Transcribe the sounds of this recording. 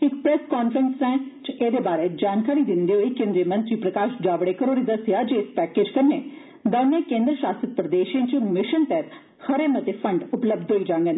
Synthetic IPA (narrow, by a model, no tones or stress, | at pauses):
ɪkpɾɛskaːnpʰɾənsɛ̃ːt͡ʃeːd̪eːbaːɾeːd͡ʒaːnkaːɾiːd̪ɪnd̪eːɦoiːkẽːnd̪ɾiːmə̃nt̪ɾiːpɾəkaːʃd͡ʒaːʋɽeːkəɾoːɾiːd̪əsɪjaːd͡ʒeːɪspɛːkeːd͡ʒkənːeː | d̪aːnːẽːkẽːnd̪ɾəʃaːst̪ɾət̪̚pɾəd̪eːʃẽːt͡ʃəmɪʃənt̪ɛːt̪ | həɾeːmət̪eːfʰəɳɖʊpləb̚d̪ʱɦoːiːd͡ʒãːŋɡen